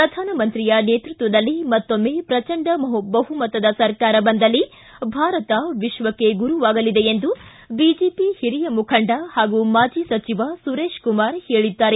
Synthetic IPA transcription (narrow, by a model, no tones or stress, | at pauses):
pɾɐd̪ʱaːnɐmɐnt̪ɾijɐneːt̪ɾut̪ʋɐd̪ɐlːimɐt̪ːomːeːpɾɐt͡ʃɐɳɖɐmɐɦubɐɦumɐt̪ːɐd̪ɐsɐɾkaːɾɐbɐnd̪ɐlːi | bʱaːɾɐt̪ɐʋiʃʋɐkːe̞ɡuɾuʋaːɡɐlid̪e̞end̪u | bid͡ʒeːpihiɾijɐmukʰɐɳɖɐhaːɡumaːd͡ʒiːsɐt͡ʃiʋasuɾeːʃkumaːɾheːɭid̪ːaːɾe